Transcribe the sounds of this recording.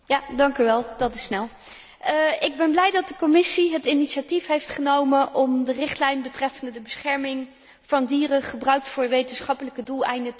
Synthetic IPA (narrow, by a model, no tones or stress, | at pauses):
jaːdɑŋkyʋɛlˠdɑtɪsnɛlˠ | ɪɡ̚bɛnblɛjdɑt̚dəkomɪsiɦətɪniʃatifɦejftχənowmənʔɔmdərɪχtlɛjnbətrɛfəndədəbəsχɛɹmɪŋ | v̥ɑndiːrəχəbrœɥk̚tfʊːɹʋejtənsχɑpələkədulˠɛ̰jndə